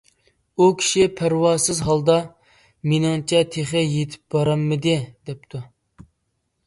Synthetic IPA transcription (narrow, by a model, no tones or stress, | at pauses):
ukʲʰi̥ʃipʰæɾwɑːsɨzɦɑlˠd̪ɑ | menɪŋt͡ʃʰɛt̪ʰeχɪjet̪ʰɪ̥p̚bɑɾɑmːɪd̪ɪd̪ɛp̚t̪ʰu